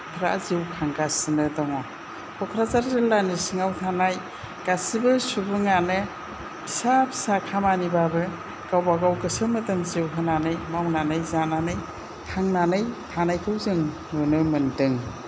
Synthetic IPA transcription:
kʰɾa̰ziwkʰaŋɡasɯnɯdɔŋɔ | pʰɔkʰɾazaɾzɯlanisiŋawtʰanaj | ɡ̥asibɯsubɯŋanɯ | bʰi̥sapʰi̥sakʰamanibabɯ | ɡ̥awbaɡawkɯsɯmɯtɯŋziwɦɯnanɯjmawnanɯjzananɯj | tʰaŋnanɯjtʰanajkʰɯwzɯŋː | ɯnɯmɯndɯŋ

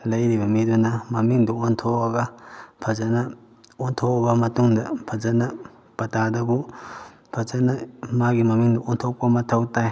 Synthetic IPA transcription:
lɐjɾibɐmidunɐmɐmiŋduontʰoɐɡɐpʰɐzanɐ | ontʰobɐmɐtuŋdɐpʰɐzɐnɐ | pɐtadɐbu | pʰɐzanɐmaɡimɐmiŋduontʰok̚pɐmɐtʰɐwtaj

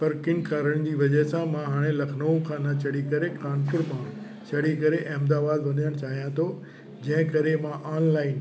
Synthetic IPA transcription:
pɐɾkɪ̃ŋkʰaːɾəɽ̃d͡ʑiːʋɐd͡ʑɐɦsãmãɦaːɽ̃elɐkʰnoũkʰãːnɐt͡ɕɐɽikɐɾekaːnkʊɾmã | t͡ɕɐɽ̤ikɐɾeʔɛ̃ːmd̪aːbaːlʋɐɗijəɽ̃t͡ɕaːɦijãt̪ʰo | d͡ʑɐ̃ɦɪ̃kɐɾemãʔaːnlaːɪn

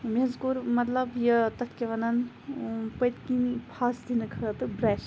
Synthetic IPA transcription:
meɐzkuɾmɐt̪lɐbjɐt̪ɐt̪ʰkʲeʋɐnɐn | pəjt̪kinpʰaːsd̪inɨkʰɐt̪ɨbɾɛːʃ

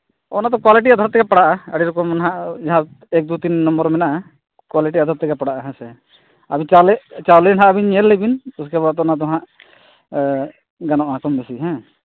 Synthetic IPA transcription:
ɔnat̪̬ɔkwaliʈ̬iad̪ʱaɾt̪ːɛkɛpaɽaʔaəɽiɾɔkɔmanɦaʔd͡ʒaɦã | ɛk̚d̪ut̪inːɔmbɔɾmɛnaʔ | kwaliʈiad̪ʱaɾt̪ːɛɡɛpaɽaʔaɦɛ̃sɛ | abĩt͡ʃalɛt͡ʃalɛnɦãʔabiɲɛlːɛbinuskɛbat̪ɔnat̪̬ɔɦãʔ | ɡanɔʔakɔmbɛsiɦɛ̃

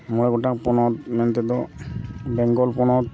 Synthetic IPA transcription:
mɔlɛɡɔʈakpɔnɔt̪mɛnt̪ɛd̪ɔ | bɛŋɡɔlpɔnɔt̪

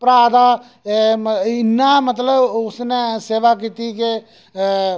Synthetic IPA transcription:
pɾaːd̪a | ɪnːamət̪ləbʊsneseːʋak̬iːt̪ike

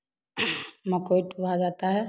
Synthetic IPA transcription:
məkoiʈubʱad͡ʒat̪aɦɛ

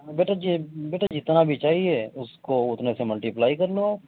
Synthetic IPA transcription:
beːʈʰad͡ʒibeːʈad͡ʒɪt̪nabʱit͡ʃaːɦieʊskoʊt̪nesemɐlʈiplaːikɐɾlõaːp

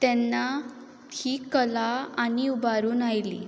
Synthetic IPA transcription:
t̪ɛnːa | hiːkəlaaniubaɾuːnajlḭː

